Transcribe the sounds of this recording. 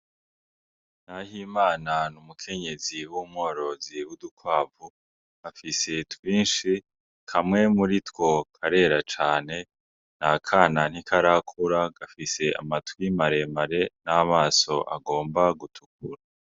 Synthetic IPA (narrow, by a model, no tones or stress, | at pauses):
nahimaːnanumukʰe̞ɲe̞ziwumŋo̞ːɾo̞ziwudukwaːvu | afise̞twiːnʃi | kʰamŋe̞muɾitwo̞kʰaɾe̞ɾat͡ʃaːne̞ | nakʰanan̥hikʰaɾakʰuɾaɡ̥afise̞a̰matwimaɾe̞maɾe̞namaːso̞ʔa̰ɡo̞ːmbaɡutʰuk̚uɾa